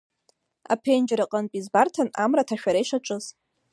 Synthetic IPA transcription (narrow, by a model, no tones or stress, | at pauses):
a̰pʰend͡ʒɾaqʼənpʼizbartʰanamratʰaʃᶣaɾaiʂaʈ͡ʂʼɨz